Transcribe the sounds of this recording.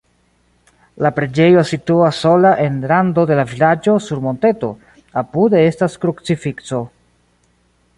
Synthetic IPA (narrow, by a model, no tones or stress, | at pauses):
lapɾe̞d͡ʒe̞jo̞situasːo̞laʔe̞nɾando̞de̞lavilad͡ʒo̞suɾmo̞nte̞to̞̰ | apude̞e̞staskɾukt͡sifikt͡so̞